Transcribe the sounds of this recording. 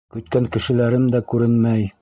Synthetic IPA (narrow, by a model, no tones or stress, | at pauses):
kɵ̆t̪kæŋkɘ̆ʃɘ̆læɾɘmd̪ækʉɾɘnmæj